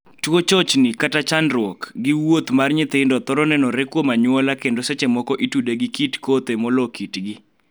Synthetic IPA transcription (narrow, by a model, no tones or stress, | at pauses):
twot͡ʃɔt͡ʃnɪkatat͡ʃanrwɔkɡɪwot̪marɲɪt̪ɪndɔt̪ɔɾɔnɛnɔɾɛkwomaɲwɔlakendosɛt͡ʃemɔkɔʔitudeɡɪkitkot̪emɔlɔkitɡɪ